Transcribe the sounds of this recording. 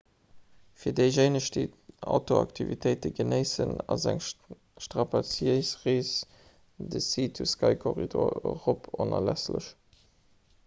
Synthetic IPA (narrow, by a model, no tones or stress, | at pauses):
fiːɐdeɪʒeɪnəʃtəɑ̰ʊtoɑ̰ktʰivitʰəɪtəɡənəɪsənɑzæŋ | ʃtʁɑpɑt͡siəɪsʁiːs | dəsiːtʰuskʰɑɪkʰoʁidoɐʁopʰonɐlæslə̰ʃ